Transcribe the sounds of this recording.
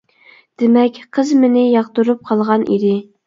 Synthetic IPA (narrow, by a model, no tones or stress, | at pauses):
d̪̥ɪmɛkʲqʰəzmɪnɪjɑqt̪uɾup̚qʰɑlˠʁɑnʔḭd̪ɪ